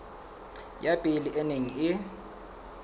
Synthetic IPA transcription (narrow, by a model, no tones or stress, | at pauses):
jab̥ʱiliʔɛneŋiɪ